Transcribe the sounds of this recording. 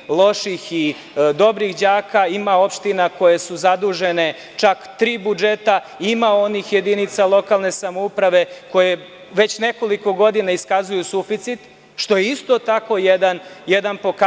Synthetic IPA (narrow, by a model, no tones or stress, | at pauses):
lˠo̞ʃixi | d̪o̞bɾixd͡ʑaːkaimao̞pʃt̪inako̞je̞suzad̪uːʒe̞ne̞ | t͡ʃakt̪ɾiːbud͡ʒe̞t̪a | imao̞nixje̞d̪init̪salˠo̞kalˠne̞samoupɾaʋe̞ko̞je̞ | ʋe̞t͡ɕne̞ko̞liko̞ɡo̞d̪inaiskazujusufit̪sit̪ | ʃt̪o̞jeist̪o̞t̪ako̞jed̪anjed̪anpo̞ka